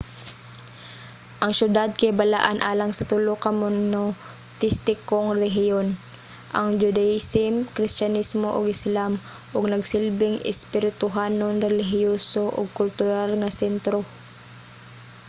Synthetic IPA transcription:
ʔɐŋʃjʊd̪ad̪̚kajbala̰ʔanʔaːlaŋsɐt̪ʊlokɐmʊno | t̪ɪst̪ɪkoŋɾɛɦɪjon | ʔɐŋd͡ʒʊd̪ajɪsɪmkɾɪstt͡ʃanismoʔoɡɪslam | ʔʊɡ̚nɐɡsɪlbɪŋɪ̰spɪɾɪt̪ʊɦanoŋɾɛlɪɦɪjosoʔʊ̰ɡ̚kʊlt̪ʊɾalŋɐsɛnt̪ɾo

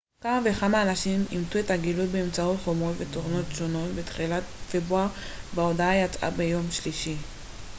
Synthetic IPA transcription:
kamave̞χamaːnaʃimimtue̞thaɡilutbeemt͡sautχomo̞tveto̞ʁno̞tʃo̞no̞tbet̪χilatfebʁuaʁ | vao̞daajat͡sʔa̰bejo̞mʃliʃi

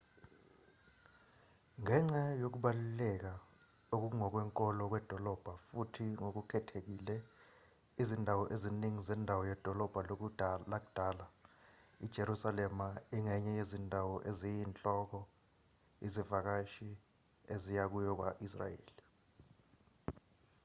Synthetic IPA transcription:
ŋɛŋ͡ǀajok̬uɓalulɛk̬a | ok̬uuŋɔk̬wɛŋkʼɔlɔk̬wɛd̥ʱɔlɔb̥ʱafutʰiŋok̬ukʰɛtʰek̬ilɛ | izindʱawɔʔeziniŋizɛndʱawɔjɛd̥ʱɔlɔb̥ʱalok̬ulak̬ud̥ʱaːla | id̥ʒ̥ʱeɾusalɛmaiŋɛɲɛjezindʱawɔʔezijint͡ɬʼɔk̬ɔ | izivak̬aʃi | ezijak̬ujɔk̬wa̰ʔis̬ra̰jḛːli

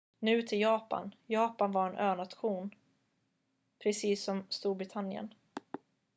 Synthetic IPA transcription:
nʉ̟ːt̪ʰɪljɑːpa̰njɑːpanvaɾɛnʔøːnat̪ɧuːn | pʰɾɛsiːsːɔmst̪uːɾbɾɪt̪ʰanjə̰n

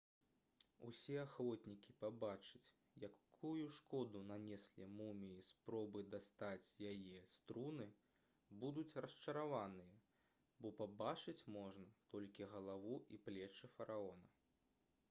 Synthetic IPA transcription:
ṵsʲɛaxvɔt̪ʲnʲikʲipabat͡ʂɨt͡sʲ | jakʰujuʂkɔd̪unanʲɛsʲlʲimumʲiispɾɔbɨd̪ast̪at͡sʲjajɛst̪ɾunɨ | bud̪ut͡sʲrɐst͡ʂɐɾavanɨjɐ | bɔpabat͡ʂɨt͡sʲmɔʐnɐt̪ɔlʲkʲiɣɐlˠavuʔiplʲɛt͡ʂɨfɐɾaɔnɐ

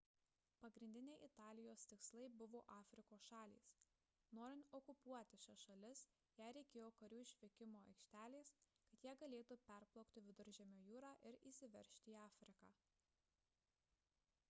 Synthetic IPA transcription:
pɐɡɾʲɪnd̪ʲɪnʲɛɪʔɪt̪ɑːlʲɪjoːst̪ʲɪkslˠɐɪbʊʋoːʔɑːfʲɾʲɪkoːsʃɑːlʲḭːs | noːɾʲɪnt̪ɔkʊpuɔt̪ʲɪʃʲɛʃɐlʲɪs | jæɪɾʲɛɪkʲeːjoːkɐɾʲuːɪʃʲʋʲɪkʲɪmoːɐ̰ɪkʃʲt̪ʲæːlʲeːskɐt̪jiɛɡɐlʲeːt̪uːpʲæɾplˠɔʊkt̪ʲɪʋʲɪd̪ʊɾʲʒʲɛmʲoːjuːɾɑːʔɪɾiːsʲɪʋʲɛɾʲʃʲt̪ʲɪiːɑːfʲɾʲɪkɑː

